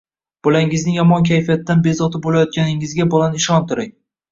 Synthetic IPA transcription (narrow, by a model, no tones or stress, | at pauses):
b̥olaŋɪznɪŋjɒmɒnkʲʰajfijat̪ːanbe̞zɒt̪ʰɪbolajɒt̪̚kʲanɪŋɪzɡʲabɒlanɪʃɒnt̪ʰʊɾɪŋ